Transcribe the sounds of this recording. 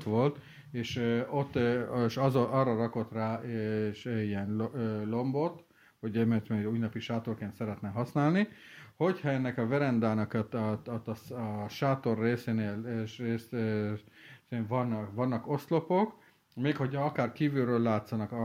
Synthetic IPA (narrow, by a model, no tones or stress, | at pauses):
t̪ʋo̞lt̪ | eːʃøot̪ːʃzoʔɒrːɒrɒko̞t̪raːeʃiɛnllo̞mbo̞t̪ | hoɟɛmøt̪mɛuːjnɒpiʃaːt̪o̞rkeːnt̪sɛɾɛt̪nɛɦɒsnaːlniho̞chɒɛnːɛkɒvɛɾɛnd̪aːnɒkt̪t̪ːʃaːt̪o̞rːeːseːneːlʃreːs | eɱvɒnːʋɒnːɒko̞st̪lo̞po̞k | meːkho̞chɒɒkaːrkiːvyɾøːlːaːt̪sɒnɒkɒ